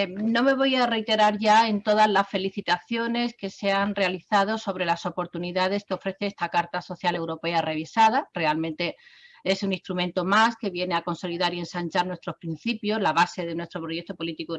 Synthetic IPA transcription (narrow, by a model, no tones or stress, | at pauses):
nõ̞me̞β̞o̞jare̞jt̪e̞ɾaɾʝae̞nt̪o̞ð̞azlasfe̞liθit̪aθjo̞ne̞ske̞seanrrealiθað̞o̞so̞βɾe̞laso̞po̞ɾt̪uniðaðe̞skeo̞fɾe̞θe̞est̪akaɾt̪aso̞θjale̞wɾo̞pe̞are̞β̞isað̞are̞almẽnt̪e̞e̞sunist̪ɾumẽnt̪o̞maske̞βje̞neako̞nso̞liðaɾie̞nsant͡ʃaɾnwe̞st̪ɾo̞spɾin̟θipjo̞zlaβ̞ase̞ðe̞nwe̞st̪ɾo̞pɾo̞je̞k̚t̪o̞po̞lit̪iku